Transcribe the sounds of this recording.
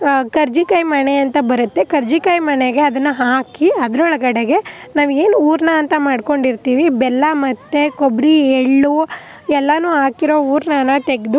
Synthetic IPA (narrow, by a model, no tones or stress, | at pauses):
kɐɾd͡ʒikɐjmɐneɐnt̪ɐbɐɾut̪ːe̞kɐɾd͡ʒikɐjmɐneɡe̞ɐd̪ɐnːɐɦaːkiɐd̪ɐɾɔɭɐɡɐɽeɡe̞naːʋeːnuːɾnɐːnt̪ɐmaːɖko̞ɳɖiɾt̪iːʋibɛlːɐmɐt̪ːe̞kobɾieɭːu | ɛlːɐnuːɦaːkiɾo̞ːuːɾnɐnɐt̪eɡd̪u